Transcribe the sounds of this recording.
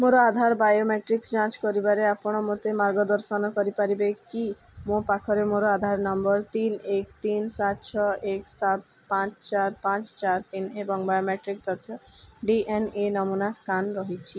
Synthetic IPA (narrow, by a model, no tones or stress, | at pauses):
moɾɔad̪ʱaɾbajomeʈɾiksd͡ʒãt͡ʃkɔɾibaɾeapɔɽ̃ɔmot̪emaɾɡɔd̪ɔɾʃɔnɔkɔɾipaɾibeki | mõpakʰɔɾemoɾɔad̪ʱaɾnɔmbɔɾt̪inekt̪insat̪t͡ʃʰɔeksat̪ | pãt͡ʃt͡ʃaɾpãt͡ʃt͡ʃaɾt̪inebɔŋbajomeʈɾik̚t̪ɔt̪ʰɔɖiʔenenɔmunaskanɾɔɦit͡ʃʰi